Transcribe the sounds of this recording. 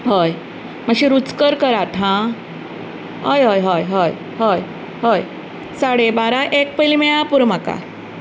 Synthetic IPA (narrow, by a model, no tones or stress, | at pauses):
ɦoj | məɕiɾut͡skəɾkəɾat̪ɦã | ɦo̰jɦojɦojɦoj | ɦoj | ɦoj | saɽebaɾaʔek̚pəjlimejãpuɾmaka̰